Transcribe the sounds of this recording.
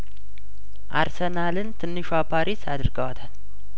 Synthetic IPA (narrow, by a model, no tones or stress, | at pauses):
ʔa̰ɾsənalɨnt̪ʰɨnːɨʃwapʰaɾʔisad̪ɨɾɡəwat̪ʰal